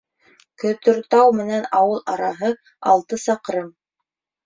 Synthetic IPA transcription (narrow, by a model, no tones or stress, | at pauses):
kɵ̆t̪ɵ̆ɾt̪ɑwmɘ̆nænɑwɤlˠɑɾɑɦɤ | ɑlˠt̪ɤsɑqɾɤm